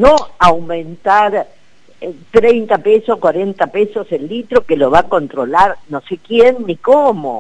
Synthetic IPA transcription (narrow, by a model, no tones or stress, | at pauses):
noawmẽnt̪aɾ | t̪ɾejnt̪apesohkwaɾent̪apesoselːit̪ɾokeloβako̞nt̪ɾolaɾno̞sekjenːikomo̰